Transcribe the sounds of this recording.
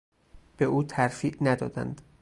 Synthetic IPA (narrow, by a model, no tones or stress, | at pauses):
b̥e̞ʔuːt̪ʰæɾfiːʔnæd̪ɒːd̪æ̰nd̪